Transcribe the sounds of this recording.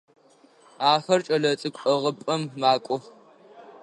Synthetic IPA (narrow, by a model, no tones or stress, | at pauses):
aːxɐrt͡ʃʼɐɮɐt͡sʼɨkʷʼɐʁəpʼɐmmaːkʷʼɔx